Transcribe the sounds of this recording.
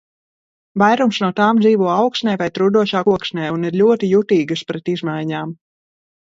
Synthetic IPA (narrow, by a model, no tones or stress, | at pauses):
vajɾumsnuɔt̪aːmd̪ziːvuɔawksnʲɛjvajt̪ɾud̪uɔʃaːkuɔksnʲɛːuniɾʎʲuɔt̪ijut̪iːɡɨspɾɛt̪izmajɲaːm